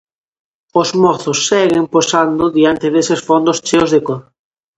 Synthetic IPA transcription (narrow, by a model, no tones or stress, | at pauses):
ozmɔθosːɛɣemposand̪ʊðiant̪eðesesfond̪ost͡ʃeozðekoð